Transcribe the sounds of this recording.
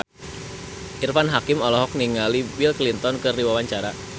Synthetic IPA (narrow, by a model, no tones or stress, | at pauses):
ʔirfanɦakɪmɔlɔɦɔk̚niŋalibilklint̪ɔnkɨriwawaɲt͡ʃaɾa